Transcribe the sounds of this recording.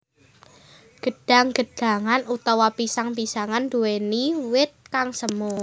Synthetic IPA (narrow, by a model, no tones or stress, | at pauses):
ɡ̥ə̤ɖ̥a̤ŋɡ̥ə̤ɖ̥a̤ŋanut̪awapisaŋpisaŋand̪ueniwɪt̪̚kaŋsəmu